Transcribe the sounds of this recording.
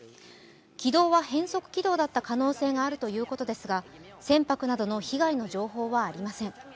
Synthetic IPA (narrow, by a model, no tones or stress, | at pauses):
kʲid̪o̞ːβahẽ̞ɰ̃so̞kɯ̟̥kʲid̪o̞ːd̪at̪ːakano̞ːse̞ːŋaːɾɯ̟t̪o̞jɯ̟ːko̞t̪o̞d̪e̞sɨɡa | sẽ̞mpakɯ̟nad̪o̞no̞çiɡaino̞ʑo̞ːɦo̞ːβaːɾʲimasẽ̞ŋ